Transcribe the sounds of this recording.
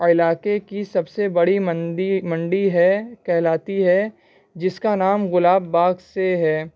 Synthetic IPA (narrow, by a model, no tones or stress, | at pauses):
ɪlaːkekisɐbsebɐɽiməɖimɐ̃ɳɖiɦɛkɛɦlaːt̪iɦɛ | d͡ʒɪskanaːmɣʊlaːbːaːɡseɦɛː